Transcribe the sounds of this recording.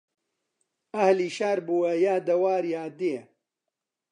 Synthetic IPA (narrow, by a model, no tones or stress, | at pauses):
ɐhliːʃaːɾbuːɐjaːd̪ɐwaːɾjaːd̪eː